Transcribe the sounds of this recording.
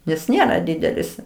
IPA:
nʲɛs ˈnʲeːrɐ ˈdʲɪdʲɛlʲɪs

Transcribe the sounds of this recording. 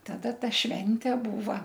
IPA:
tɐˈdɐ ˈtɐ ˈʃʲʋʲɛnʲtʲɛ ˈbuːʋɐ

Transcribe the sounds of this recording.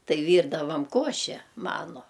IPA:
ˈtɐɪ ˈʋʲiːrdɐʋɐm ˈkoːʃʲɛ ˈmɑːnʊ

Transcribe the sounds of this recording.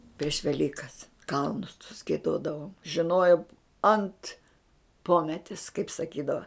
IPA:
pʲrʲiɛʃ ʋʲɛˈlʲiːkɐs ˈkɐlˠnʊs tʊs ɡʲiɛˈdoːdɐʋoːm ʒʲɪˈnoːjoːm ɐnt ˈpoːmʲɛtʲɪs kɐɪp sɐˈkʲiːdɐʋɐ

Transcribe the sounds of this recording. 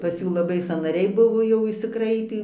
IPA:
pɐs ˈjuː lˠɐˈbɐɪ sɑːnɐˈrʲɛɪ ˈbʊʋoː jɛʊ ɪʃʲsʲɪˈkrɐɪpʲiː

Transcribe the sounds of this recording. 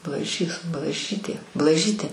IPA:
blˠɐˈʒʲiːs blˠɐˈʒʲiːtʲeː blˠɐˈʒʲiːtʲeː

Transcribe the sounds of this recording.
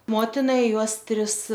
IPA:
ˈmoːtʲɪnɐ ˈjuɔs ˈtʲrʲɪs

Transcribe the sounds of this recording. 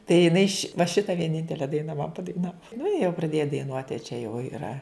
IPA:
tɐɪ jɪˈnɐɪ ʃʲɪ ʋɐ ˈʃʲɪtɐ ʋʲiɛˈnʲɪnʲtʲɛlʲɛ ˈdɐɪnɐ mɐn pɐdɐɪˈnɑːʋoː nʊ ɪ jɛʊ prɐˈdʲeːjɛ dɐɪˈnuɔtʲ ɐ t͡ʃʲɛ jɛʊ iːˈrɐ

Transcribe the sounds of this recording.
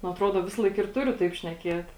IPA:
nʊ ɐˈtruɔdɐ ˈʋʲɪsɐlˠɐɪk ɪr ˈtʊrʲʊ tɐɪp ʃʲnʲɛˈkʲiɛt

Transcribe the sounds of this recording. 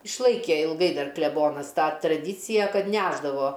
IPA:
ɪʃˈlˠɐɪkʲeː ɪlˠˈɡɐɪ ˈdɐr klʲɛˈboːnɐs ˈtɑː trɐˈdʲiːt͡sʲɪjɛ ˈkɐt ˈnʲæːʒdɐʋoː

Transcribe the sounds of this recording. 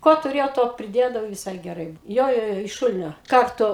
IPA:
ˈkoː tʊˈrʲeːjɛʊ ˈtoː pʲrʲɪˈdʲeːdɐʋɐʊ ʋʲɪˈsɐɪ ɡʲɛˈrɐɪ ˈjoː ˈjoː ˈjoː ɪʃ ˈʃʊlʲɪnʲoː ˈkɐrtʊ

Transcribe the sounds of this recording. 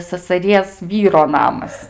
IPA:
sɐsɐˈrʲiɛs ˈʋʲiːroː ˈnɑːmɐs

